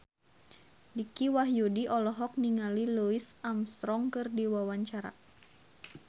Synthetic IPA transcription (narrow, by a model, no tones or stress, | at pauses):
dikiwaɦjudiʔɔlɔɦɔk̚niŋaliluisamst̪ɾɔŋkɨrdiwawaɲt͡ʃaɾa̰